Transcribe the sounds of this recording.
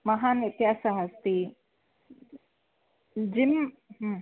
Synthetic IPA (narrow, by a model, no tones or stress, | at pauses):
mɐɦaːnɪt̪jaːsaɦɐst̪i | d͡ʑɪm | ɦ